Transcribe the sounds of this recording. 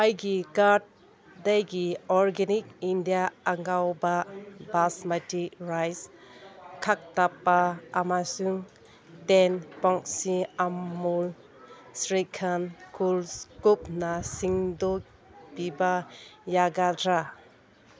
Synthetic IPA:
ajɡikaɾt̚ | dajɡiɔɾɡenik̚indijaaŋɡawbabasmatiɾajs | kʰak̚tapːaːmasuŋ | tenpɔŋksiamːul | sɾikʰankulskup̚nasiŋdɔk | pibajaɡadɾa

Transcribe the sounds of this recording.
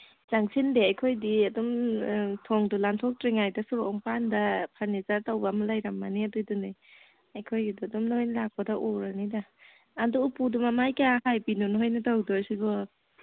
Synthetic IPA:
zaŋsʰindeajkʰojdiɐdɔmtʰɔŋdulantʰɔk̚tɾiŋajdɐsuɾoŋpandɐpʰaɾnizaɾtawbamalajɾamːaniadujdunij | ajkʰojɡiduɐdɔmnojnlak̚padaʔowɾanidaː | dɔupudumamajkahajpinunɦojnɐtawdɔsibɔ

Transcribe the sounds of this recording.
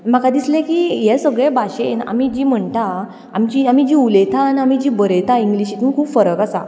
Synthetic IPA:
m̤akad̪islẽkijesəɡɭẽbaɕena̰mid͡ʑim̤əɳt̪ã | amt͡ɕiamid͡ʑiulet̪ʰanamid͡ʑibəɾet̪ʰaiŋɡliɕit̪unkʰuːpfəɾəkasa̰

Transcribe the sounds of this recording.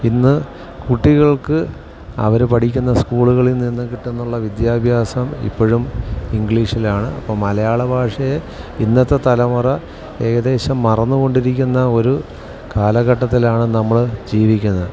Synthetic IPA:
inːɨ | kuʈːiɣɐɭkɨ | ɐ̰ʋɐɾepɐʈʰikʲːunːɐskuːɭuɣɐɭilninːɨkiʈːunːuɭːɐʋid̪jaːbʱjaːsɐmḭpːo̞ɻumiŋɡɭiːʂilaːɳɨɐ̰pːɐmːɐlɐjaːɭɐbʱaːʂɐje | inːɐt̪ːe̞t̪ɐlɐmurɐ | e̞ːɣɐd̪e̞ːɕɐmːɐrɐnːuɣo̞ɳɖiɾikʲːunːɐo̞ɾu | kaːlɐɣɐʈːɐt̪ːilaːɳɨnɐmːɐɭd͡ʑiːʋikʲːunːɐðɨ

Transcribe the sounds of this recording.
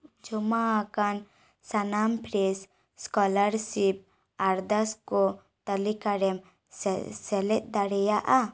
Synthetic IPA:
d͡ʒɔmaakan | sanampɾes | skɔlaɾsip̚ | aɾd̪askɔ | t̪əlikaɾɛm | sɛlɛt̚d̪aɽɛjaʔa

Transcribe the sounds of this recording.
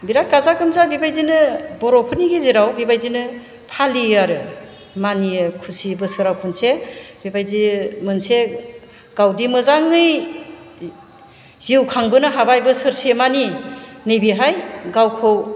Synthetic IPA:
biɾaɡazaɡɯmzabibajzinɯbɔɾɔpʰɯniɡeziɾawbibajzinɯ | pʰaliaɾɯ | manikʰusibɯsɯɾawpʰɯnsebibajzimɯnse | ɡ̥awdimɯzaŋɯj | z̥iwkʰaŋbɯnɯɦabajbɯsɯɾsemaninejbiɦajɡawkʰɯw

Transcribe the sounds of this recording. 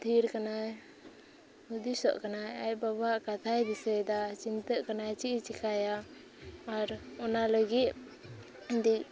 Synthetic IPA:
d̪ʱiɾkanaj | ud̪isɔ̰ʔkanajajbabɦaʔkat̪ʰajd̪isɛjd̪at͡ʃint̪əʔkanajt͡ʃiʔt͡ʃikʰajaː | ɾɔnaləɡit̪̚ | d̪iʔ̚

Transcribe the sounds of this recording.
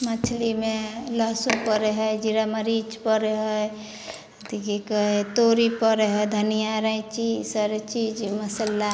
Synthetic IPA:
mat͡ʃʰlimeləɦsupəɾeɦəjd͡ʒiɾaməɾit͡ʃpəɾeɦəj | t̪ikikəɦet̪oɾipəɾeɦəjd̪ʱənijaɾəĩt͡ʃisəɾt͡ʃid͡ʒməsəlːa

